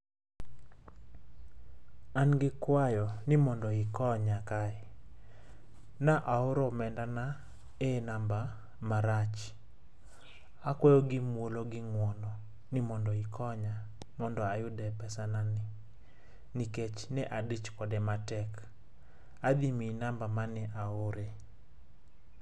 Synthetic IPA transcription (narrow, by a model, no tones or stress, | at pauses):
anɡɪkwajɔnɪmɔndɔɪkɔɲakaɛ | naʔaʊɾɔmɛndana | enamba | maɾat͡ʃ | akwɔjoɡɪmwoloɡɪŋwɔnɔ | nɪmɔndɔikʰɔɲa | mɔndɔajʊdɛpɛsananɪ | niket͡ʃnɛʔadit͡ʃkɔdɛmatɛk | ad̪iminambamanɛʔaʊɾe